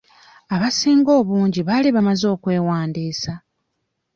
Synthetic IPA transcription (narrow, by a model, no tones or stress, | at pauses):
aβasiːŋɡo̞ːβuːɲɟiβaliβamazo̞ːkwe̞ːwaːndiːsa